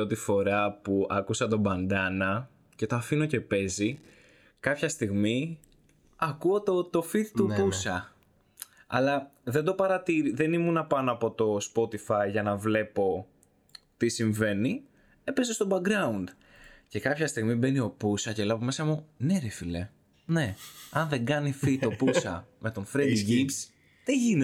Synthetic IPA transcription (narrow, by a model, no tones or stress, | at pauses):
ot̪ifo̞ɾɐpuɐkusɐt̪o̞bɐnd̪ɐnɐ | ce̞t̪oɐfino̞ce̞pe̞zi | kɐpçɐst̪iɣmi | ɐkuo̞t̪ot̪o̞fit̪t̪upusɐ | ɐ̰lɐðend̪o̞pɐɾɐt̪iɾiðe̞nimunɐpɐnoɐpo̞t̪o̞spo̞t̪ifɐjʝɐnɐvle̞po̞ | t̪isiɱve̞ni | e̞pezest̪o̞bɐɡɡɾɐund̪ | ce̞kɐpçɐst̪iɣmibe̞nio̞pusɐcelɐpome̞sɐmune̞ɾefile̞ | ne̞ɐnðeɡɐnifit̪o̞pusɐ̰me̞t̪o̞nfɾed̪iʝips | ðeʝine